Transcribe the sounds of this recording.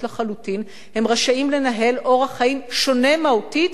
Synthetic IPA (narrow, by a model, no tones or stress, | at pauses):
laχalutin | he̞mʁaʃaimle̞naɦe̞lʔo̞ʁhaχaimʃo̞ne̞mautit